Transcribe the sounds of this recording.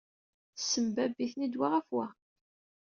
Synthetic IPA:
θsːəmbæbiθnid̪waʁæfwæ

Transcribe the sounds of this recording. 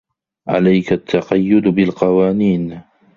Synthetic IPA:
ʕa̰lajkat̪ʰːɑqɑjːʊd̪bɪlqɑwaːniːn

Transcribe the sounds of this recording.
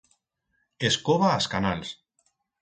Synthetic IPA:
eskoβaːskanals

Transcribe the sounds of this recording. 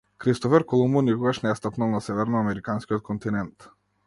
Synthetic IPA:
kɾist̪ɔfɛɾkɔlˠumunikɔɡaʃnɛast̪apnalˠnasɛvɛɾnɔamɛɾikanskʲiɔt̪̚kʰɔnt̪inɛnt̪

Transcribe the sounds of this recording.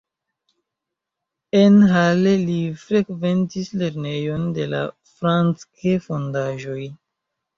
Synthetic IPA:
enɦalelifɾe̞kve̞ntisle̞ɾne̞jo̞nde̞la̰ | fɾant͡skefo̞ndaʒo̞j

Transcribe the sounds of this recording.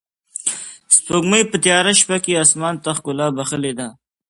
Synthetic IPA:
sp̪oɡməjpət̪jɑːɾaʃpakeasmɑːnt̪aχkʊlɑːbaxəled̪a

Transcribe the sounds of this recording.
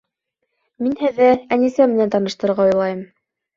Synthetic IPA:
minhɘ̆ðːɘænisæmɘ̆nænt̪ɑnɤ̆ʃt̪ɤ̆ɾɤ̆ɾʁɑujlˠɑjɤm

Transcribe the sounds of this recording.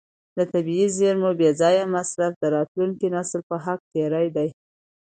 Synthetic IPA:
d̪ət̪abiizeɾmobezɑjamasɾafd̪əɾɑt̪luŋkinɑslpəɦak̚t̪eɾajd̪aj

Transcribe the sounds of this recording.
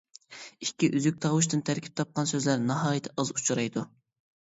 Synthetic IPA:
ikʲʰːiʔyzyk̚ʲt̪ʰɑwuʃ̬t̪ɨnt̪ʰæɾkʲʰi̥p̚t̪ʰɑp̚qɑnsøzlæɾnɑɦɑːjɨt̪ʰɛʔɑzut͡ʃʰuɾɑjd̪u

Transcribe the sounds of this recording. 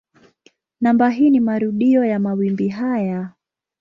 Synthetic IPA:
nambaɦiːnimaɾuɗiɔjamawimbiɦaja

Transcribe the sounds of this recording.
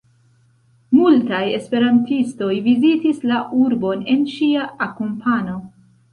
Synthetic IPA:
multaje̞spe̞ɾantisto̞jvizitislaʔuɾbo̞ne̞nʃiaːkompʰano̞

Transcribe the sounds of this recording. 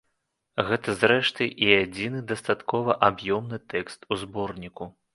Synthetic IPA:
ɣɛt̪ɐzɾɛʂt̪ɨʔiad͡zʲinɨd̪ɐst̪at̪kɔvɐʔabjɔmnɨt̪ɛkst̪uzbɔrnʲiku

